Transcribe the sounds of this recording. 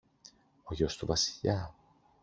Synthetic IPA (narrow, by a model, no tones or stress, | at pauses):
oʝost̪uvɐsi̥ʎɐ